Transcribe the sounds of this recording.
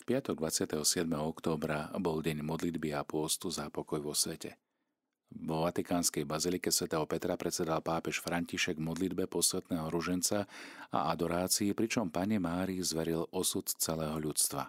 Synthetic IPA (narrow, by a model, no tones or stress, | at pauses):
fpɪat̪ɔɡ̚d̪ʋat͡sɪat̪ɛɦɔsɪɛd̪mɛɦɔɔkt̪ɔːbɾabɔlɟɛɲmɔd̪lid̪biapʊɔst̪uzapɔkɔjʋɔsʋɛcɛ̰ | ʋɔʋat̪ikaːnskɛjbazilikɛsʋɛt̪ɛːɦɔpɛt̪ɾapɾɛt͡sɛd̪alpaːpɛʃfɾaɲciʃɛɡmɔd̪lid̪bɛpɔsʋɛt̪nɛːɦɔɾuʒɛnt͡saa̰ad̪ɔɾaːt͡siːpɾit͡ʃɔmpaɲɛmaːɾizʋɛɾilɔsut̪t͡sɛlɛːɦɔʎut͡st̪ʋa̰